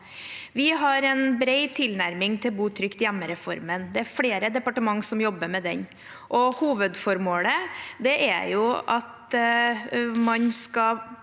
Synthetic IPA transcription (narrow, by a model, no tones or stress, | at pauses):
ʋɪɦɑɾɛnbɾeɪt̪ʰɪlnæɾmɪŋt̪ʰɪlbuːt̪ʰɾʏkt̪jæmːəɾɛfɔɾmənd̪ɛæɾfɽeːɾəd̪ɛpɑʈəmɑŋːsɔmjɔbːəmɛd̪ɛ̰ɲ | ʔɔhuːʋəd̪fɔɾmoːləd̪ɛʔæ̰ɾjʊɑt̪ | mɑnskɑ